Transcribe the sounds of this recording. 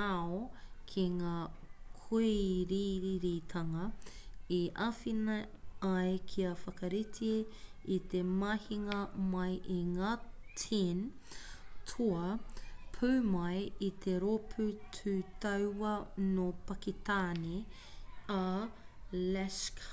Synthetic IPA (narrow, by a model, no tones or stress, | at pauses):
aokʰiŋaːkʰuiɾiɾiɾit̪ʰɐŋɐiʔafinɐɐjkʰiɐfɐkɐɾitʰie | it̪emɐhiŋɐmɐjʔiŋaːtʰin | tʰuɐpʰʉːmɐjit̪ʰeɾopʰʉtʰʉːtɐwɐnopɐkit̪aːne | a | lɛsk